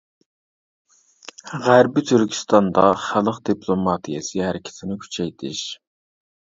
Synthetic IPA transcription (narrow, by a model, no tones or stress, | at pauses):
ʁæɾbɪt̪ʰyɾkʲʰi̥st̪ɑnd̪ɑχælˠəqd̪ipʰlˠomɑt̪ʰijɛsɨhæɾɪkʲʰɪ̥t̪ʰɪnɪkʲʰy̥t͡ʃʰɛjt̪ʰɪʃ